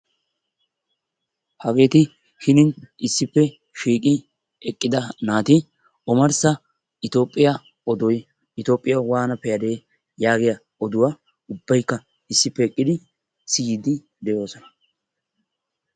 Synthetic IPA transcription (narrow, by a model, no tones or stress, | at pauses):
hɐɡe̞ːt̪ɪ | hɪnɪnɪsːɪpːɛ | ʃiːkʼɪ | ɛkʼːɪd̪ɐnaːt̪ɪ | ɔmɐɾsɐ | ɪt̪o̞ːpʼːɪjɐ | ɔd̪ɔj | ɪt̪o̞ːpʼːɪjɐwaːnɐpɛjɐd̪e̞ː | jaːɡɪjɐ | ɔd̪ʊwa | ʊbːɐjkːɐ | ɪsːɪpːɛːkʼːɪd̪ɪ | sɪjɪd̪ɪ | d̪ɛjo̞ːsɔnɐ̥